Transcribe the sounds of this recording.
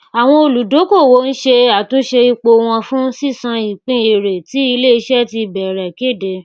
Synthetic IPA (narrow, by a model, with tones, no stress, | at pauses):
a˨w̃ɔ̃˧o˧lu˨do˨˦ko˦˨wo˦n̩˦ʃe˧a˨tũ˨˦ʃe˧i˧k͡po˧w̃ɔ̃˧fũ˦si˦˨sã˧i˨k͡pĩ˦e˨ɾe˨ti˨˦i˧le˦˨i˧ʃɛ˦ti˧bɛ˨ɾɛ˨ke˦˨de˧